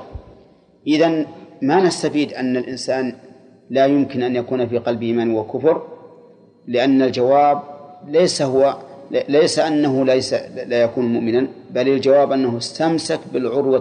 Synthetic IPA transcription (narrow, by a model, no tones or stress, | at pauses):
ʔɪðanmanast̪afiːd̪ʔanːalʔɪnsaːn | laːjʊmkɪnʔanjakuːnfiːqɑlbʔɪːmanwakʊfʊɾ | lɪʔanːald͡ʒawaːb̚lajsahʊwalajsaʔanːaɦʊlasalajakuːnmʊʔmɪnanbalɪld͡ʒawaːbʔanːaɦʊɪst̪amsakbɪlʕʊɾwa